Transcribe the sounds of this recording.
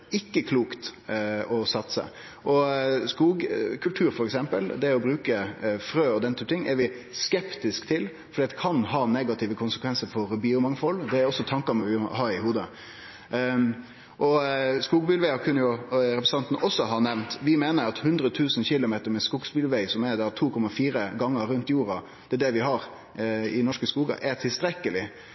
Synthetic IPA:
ɪkːəkʰluːkt̪ɔsɑt̪sə̰ | ʔɔskuːɡkʰʉlt̪ʰʉːɾfɔɾɛksɛmpə̰ld̪ɛɔbɾʉːkəfɾøːɔd̪ɛnt̪yːpət̪ɪŋːɛɾʋɪskɛpt̪ɪskt̪ʰɪl | fɔd̪iːt̪kʰɑnɦɑːneɡɑt̪ʰɪʋəkʰʊnsəkʰʋɛnsəɾfɔɾbiːʊmɑŋfɔlːd̪ɛæɾɔsːɔt̪ʰɑŋkɑmɛʋɪhɑɾɪhuːd̪ə | ʔɔskuːɡbiːlʋæɪɑkʰʉnːəjʊɾɛpɾɛsɑnt̪nəʔɔsːɔɦɑnɛʋnt̪ʋɪmeːnəɾɑt̪hʉnd̪ɾət̪ʰʉːsnçɪlʊmeːt̪əɾmɛskuːɡsbilʋæɪsɔmɛɾd̪æɾt̪ʰuːkʰɔmːɑfiːɾəɡɑŋːəɾʉnt̪juːɾɑ | d̪̥ɛd̪ɛʋɪɦɑɾ | ɪnɔʂkəskuːɡɑ̰ʔɛt̪ʰɪlst̪ɾɛkəlɪ

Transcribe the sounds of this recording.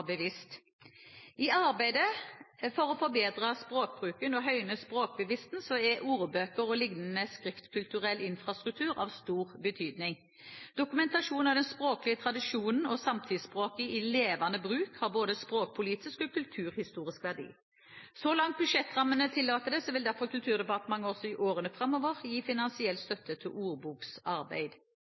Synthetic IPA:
bəʋɪst̪ | ɪɑʁbæɪd̪əfɔʁɔfɔɾbeːd̪ʁɑspʁoːk̚bʁʉːkənɔɦœʏnəspʁoːk̚bəʋɪst̪nsɔɛʔuːʁəbøːkəʁɔlɪɡnnəskʁɪft̪kʰʉlt̪ʉʁɛlɪnfʁɑst̪ʁʉk̚t̪ʰʉːʁɑ̰ːʋst̪uːʁbət̪ʰyːd̪nɪŋ | d̪̥ʊkʉmɛnt̪ɑʂuːnɑʋd̪ɛnspʁoːklɪət̪ʰʁɑd̪ɪʃuːnn̩ɔsɑmt̪ʰɪd̪spʁoːkəɪleːʋɑnəbʁʉːkhɑʁboːd̪əspɾoːk̚pʰʊliːt̪ɪskɔːkʰʉlt̪ʰʉːʁhɪst̪uːʁɪskʋæʁd̪ḭː | sɔlɑŋt̪̚bʉʂɛt̪ːʁɑmːənət̪ʰɪlːɑːt̪əd̪ɛsɔʋɪld̪æʁfɔʁkʰʉlt̪ʰʉːʁd̪ɛpɑʁt̪əmɑŋːəɔsɔɪʔoːʁənəfʁɑmɔʋəʁjiːfɪnɑnsɪɛlt̪st̪œt̪ːət̪ʰɪlʔuːʁbuːksɑʁbæ̰ɪd̪̥

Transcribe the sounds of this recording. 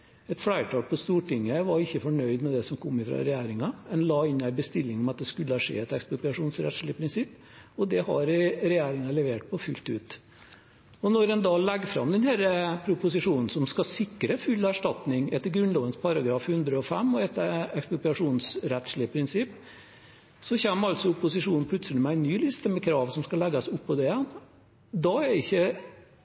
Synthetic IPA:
ɛt̪flæɪʈʰɑːlpʰɔst̪uːʈɪŋːəʋɑɾɪçːəfɔɳœʏd̪mɛd̪ɛsɔmkʰɔmːɪfɾɑ̰ɾɛjæːɾɪŋɑmɛnlɑːɪnæɪbəst̪ɪlːɪŋɔmɑt̪̚d̪ɛskʉlːəɑʂḛːɛt̪ɛkspɾʊpʏɑʂuːnsɾɛ̰t̪ʂɭɪəpʰɾɪnsɪpː | ɔd̪ɛhɑ̰ɾɪɾɛjæːɾɪŋɑlɛʋeːʈ̚pʰɔfʉlt̪ʉːt̪ | ɔnɔɾɛnd̪ɑːlɛɡːfɾɑ̰md̪ɛnhæːɾəpʰɾʊpʊsɪʂuːnn̩sɔmskɑsɪkːɾəfʉlːæʂʈɑt̪nɪŋɛt̪ːəɾɡɾʉnlɔːʋənspʰɑɾɑɡɾɑːfhʉnd̪ɾəɔfɛmːɔɛt̪ːəɾɛkspʊp̪ɑʂuːnsɾɛt̪ʂɭɪəpʰɾɪnsɪpː | sɔçɛmːɑlt̪sɔʊpːʊsɪʂuːnn̩pʰlʉt̪səlɪmɛæɪnːyːlɪst̪əmɛkʰɾɑːʋsɔmskɑlɛɡːɑsʊpːɔd̪ɛɛn | d̪ɑæɪçːə

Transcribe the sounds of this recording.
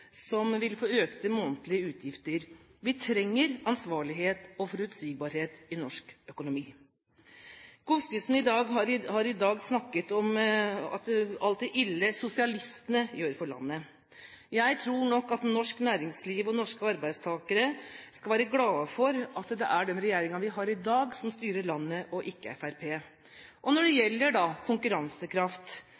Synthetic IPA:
sɔmʋɪlfoːøːkt̪ʰɪlmoːnt̪lɪəʉːt̪ʰjɪft̪əɾ | ʋɪt̪ʰɾɛŋːəɾɑnsʋɑːɭɪɦeːt̪ɔfɔɾʉt̪siːɡ̚bɑɾheːt̪ɪnɔʂkœkʊnʊmiː | ɡ̥uːskɪsn̩ɪd̪ɑːɡɦɑɾhɑɾɪd̪ɑːɡsnɑkːət̪ɔmɑ̰t̪ɑlt̪̚d̪ɛʔɪlːəsʊsɪɑlɪst̪ənəjøːɾfɔɾɭɑ̰nːə | jæɪt̪ʰɾuːɳɔkːɑt̪nɔʂknæːɾɪŋsliːʋɔnɔʂkəɑɾbæɪd̪st̪ʰɑːkəɾəskɑlʋæːɾəɡlɑːfɔɾɑt̪d̪ɛ̰ʔæɖɛnɾɛjeːɾɪŋɑnʋɪɦɑːɾɪd̪ɑːɡsɔmst̪yːɾəɭɑnːəʔɔʔɪkːəɛ̰fæɾpʰeː | ʔɔnɔɖɛjɛlːəɖɑkʰʊŋkʉɾɑnsəkʰɾɑft̪

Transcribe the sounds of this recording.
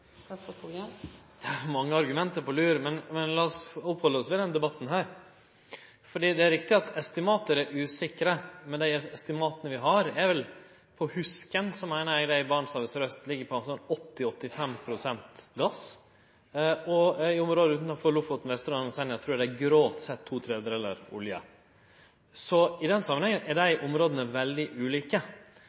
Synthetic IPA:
d̪̥ɛæmɑŋːəɑɾɡʉmɛnt̪əɾpʰɔlʉːɾmɛnmɛnlɑːɔsɔphɔlːəɾɔsʋɪd̪ɛnd̪ɛbɑt̪ːn̩ɦæːɾ | fɔɖiːd̪ɛæɾɪkt̪ɪɑt̪ɛst̪ɪmɑːt̪əɾɛɾʉːsɪkːəɾəmɛnd̪æɪɛst̪ɪmɑːt̪ənəʋɪɦɑɾɛɾʋɛl | pʰɔhʉskənsɔmæɪnəɾɛɡɖ̪æɪbɑːɳsɑɾʋəsɾœst̪lɪɡːəɾpʰɔsɔnɔt̪ːɪɔt̪ːɪfɛmpʰɾʊsɛnt̪ɡɑs | ɔɪɔmɾoːd̪əʉːt̪nɔfɔɭʊfʊt̪n̩ʋɛst̪əɾɑnnsɛnæɪt̪ʰɾʉːɖɛæɡɾoːt̪sɛt̪ʰːuːt̪ʰɾɛːd̪ɾɛlːəɾʊ̰ljə̰ | sɔɪd̪ɛnsɑmənɛŋːənɛɖæɪʔʊmɾoːd̪ənəʋɛld̪ɪʔʉːliːkə

